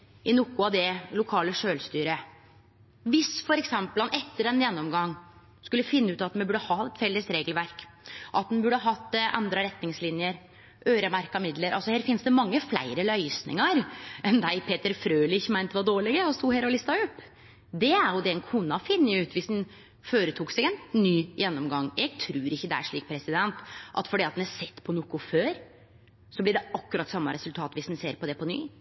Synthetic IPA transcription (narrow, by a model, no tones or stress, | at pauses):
ʔɪnʊkːʊɑd̪ɛlʊkʰɑːləʂøːlst̪yːɾə | ʋɪsfɔɾɛksɛmpəlɑnɛt̪ːəɖɛnjɛnːɔmɡɑŋː | skʉlːəfɪnːʉːt̪ɑt̪mɛbʉɖəhɑɛt̪fɛlːəsɾeːɡəlʋæɾk | ʔɑt̪̚d̪ɛnbʉɖːəhɑɦɑt̪ːʔɑ̰nd̪ɾəɾɛt̪nɪŋslɪnjəɾ | ʔøːɾəmæɾkɑmɪd̪ləɾʔɑ̰lsɔheːɾfɪnsd̪ɛmɑŋːəflæ̰ɪɾəlœʏsnɪ̰ŋɑɾʔɛnd̪æɪpʰeːt̪əɾfɾøːlɪɪçːəmæɪnt̪ɛʋɑɖ̪oːɭɪɡəɔst̪uːheːɾɔlɪst̪ɑʉpː | d̪ɛæɾjʊd̪ɛɛnkʰunːɑfɪnːəʉːt̪ʋɪsd̪ɛn | føːɾət̪ʰuːksɛɡɛnːyːjɛnːɔmɡɑŋːjɛɡ̚t̪ʰɾʉːɾɪçːəd̪ɛæ̰ʂɭiːk̚pʰɾɛsɪd̪ɛnt̪ʔɑ̰t̪fɔɖiːɑt̪d̪næsɛt̪ːpʰɔnʊkʊføːɾ | sɔblɪɖɛɑkːʉɾɑt̪ːsɑmːɑɾɛsʉlt̪ʰɑːt̪ʋɪsd̪ɛnseːɾpɔd̪ɛpʰɔny̰ː